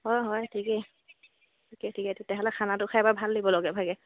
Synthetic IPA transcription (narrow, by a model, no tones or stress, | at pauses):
ɦɔjɦɔjtʰikɛ | tʰikɛtʰikɛtʰetjaɦɔlɛkʰanatʊkʰaɛbabʱaldibɔlɔɡɛbʱaɡɛ